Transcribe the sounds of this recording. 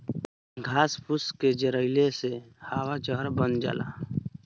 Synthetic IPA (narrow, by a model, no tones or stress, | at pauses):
ɡʱaːspʊsked͡ʒəɾəɪlesehaːwat͡ʃəɦəɾbənd͡ʒa̰ːla̰ː